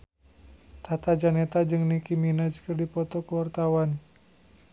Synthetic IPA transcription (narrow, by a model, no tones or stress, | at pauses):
t̪at̪ad͡ʒanɛt̪ad͡ʒɨŋnikiminad͡ʒkərdipɔt̪ɔkəwart̪awan